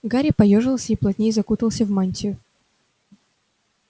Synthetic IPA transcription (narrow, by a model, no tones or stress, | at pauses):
ɡaɾʲɪpɐjoʐɨlˠsʲəiplˠɐt̪ʲnʲejzɐkut̪əlˠsʲəvmanʲtʲɪʊ